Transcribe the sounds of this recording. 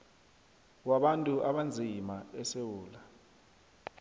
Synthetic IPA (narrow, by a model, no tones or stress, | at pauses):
waɓantʼuʔaɓand͡zʱimaɛsewuːla